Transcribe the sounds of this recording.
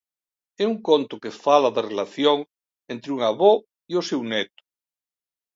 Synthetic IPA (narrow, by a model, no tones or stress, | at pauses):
ɛuŋkont̪okefalaðerelaθjoŋ | ent̪ɾeuŋaβo | iosewnɛt̪o̥